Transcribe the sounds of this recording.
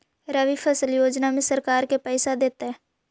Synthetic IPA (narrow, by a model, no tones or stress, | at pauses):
ɾəʋipʰəsəljoːd͡ʒnamẽsəɾkaːɾkepɛːsad̪eːt̪aɦɛː